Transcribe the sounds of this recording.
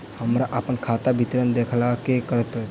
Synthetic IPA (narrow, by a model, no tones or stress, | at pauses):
həmɾaʔəpənkʰaːt̪abʱɪt̪ɾənd̪eːkʰlakekəɾət̪̚pəɾɛt̪